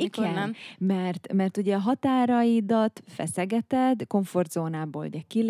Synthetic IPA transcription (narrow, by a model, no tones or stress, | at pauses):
ikɡɛnmɛrt̪mɛrt̪uɟɛɒɦɒt̪aːɾɒjid̪ɒt̪fɛ̰sɛɡɛt̪ɛd̪ko̞ɱfo̞rd̪zoːnaːboːlṵɟɛkil